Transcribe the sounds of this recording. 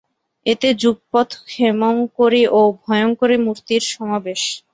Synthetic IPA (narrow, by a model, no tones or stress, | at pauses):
et̪ed͡ʑuɡ̚pɔt̪kʰemoŋkoɾeʔobʱɔeoŋkoɾemuɾt̪iɾʃɔmabeʃ